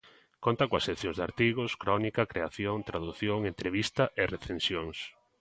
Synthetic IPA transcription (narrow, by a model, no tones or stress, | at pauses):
kont̪ɐkõɐsːekθjõŋzd̪a̰ɾt̪iɣʊskɾɔnikɐkɾeaθjoŋt̪ɾaðuθjoŋent̪ɾeβist̪ɐʔereθẽnsjoŋs